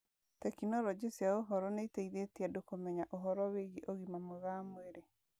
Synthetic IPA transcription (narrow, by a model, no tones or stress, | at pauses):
tɛkinɔɾɔd͡ʑesjaoɦɔɾɔneiteiðetiadokomɛɲaʔoɦɔɾɔweɣiʔoɣimamoɣamweɾe